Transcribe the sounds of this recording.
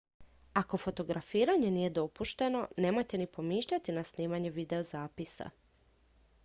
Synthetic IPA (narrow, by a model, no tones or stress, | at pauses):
ako̞fo̞t̪o̞ɡɾafiːɾaɲe̞niːje̞d̪o̞puʃt̪e̞no̞ne̞ːmo̞jt̪e̞nipo̞miːʃʎat̪inasniːmaɲeʋid̪e̞ozaːpisa̰